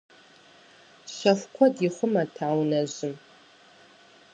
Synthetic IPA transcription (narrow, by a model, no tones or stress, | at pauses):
ʃɐfʷkʷʰɔdiχʷʊmɐtʰaːwnɐʑɪm